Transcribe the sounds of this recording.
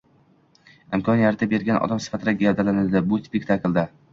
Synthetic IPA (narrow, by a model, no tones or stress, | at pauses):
ɪmkʰɒnijat̪ʰɪbe̞ɾɡʲanʔɒ̰d̪amsɪ̥fat̪ʰɪd̪aɡʲjad̪alanɪld̪ɪbʊspekʲt̪ʰaklˠd̪a